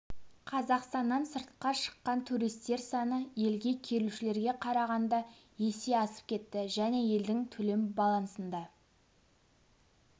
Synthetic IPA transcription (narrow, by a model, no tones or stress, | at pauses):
qʰɑzɑqst̪ɑnːɑnsəɾt̪̚qɑʃə̥qːɑnt̪ʰuɾijst̪e̞ɾsɑnəje̞lɡʲe̞kʲʰe̞ɾuʃɪle̞ɾɡʲe̞qʰɑɾɑʁɑnd̪ɑ | je̞se̞ɑsə̥p̚kʲʰe̞t̪ːɪʒæne̞je̞ld̪ɪŋt̪ʰɵle̞mbɑlˠɑnsənd̪ɑ